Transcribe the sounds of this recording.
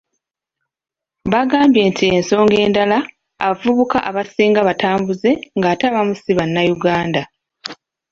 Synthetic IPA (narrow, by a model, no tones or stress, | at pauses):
βaɡaːmbje̞ːntʰie̞nso̞ːŋɡe̞ːndalaː | vuβukaʔaβasiːŋɡaβatʰaːmbuze̞ŋɡaːtaβamusiβanːajuɡaːnda